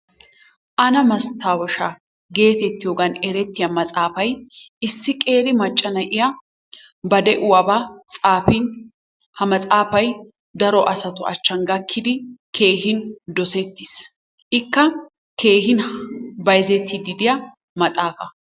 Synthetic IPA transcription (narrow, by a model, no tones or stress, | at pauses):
ʔɐnɐmɐst̪ʰːaːwɔʃa | ɡe̞ːt̪ɛt̪ːɪjoɡɐnɛɾɛt̪ːɪjɐmɐt͡sʼaːfɐjɪsːɪkʼe̞ːɾɪmɐt͡ʃʼːɐnɐʔɪjɐ | bɐd̪ɛʔʊwɐbat͡sʼaːfɪn | hɐmɐt͡sʼaːfɐj | d̪ɐɾɔʔɐsɐt̪ʊɐ̰t͡ʃːɐnɡɐkʰːɪd̪ɪkʰe̞ːɦɪnd̪ɔsɛt̪ːɪs | ʔɪkːɐ | kʰe̞ːɦɪnbɐjzɛt̪ʰːɪd̪ɪd̪ɪjɐ | mɐt̪ʼaːfɐ